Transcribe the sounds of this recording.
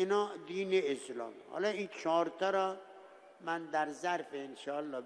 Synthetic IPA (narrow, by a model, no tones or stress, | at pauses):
inɒːd̪iːneeslɒ̰ːmhɒ̰lɒint͡ʃʰɒːɾt̪ʰɒːɾɒ | mænd̪æɾzæɾfeenʃɒːlːɒː